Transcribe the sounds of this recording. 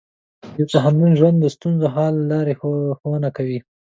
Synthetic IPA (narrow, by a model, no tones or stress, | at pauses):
jawt̪aɦand̪unʒwand̪ːəst̪unzoɦɑlːɑɾexxowənakawi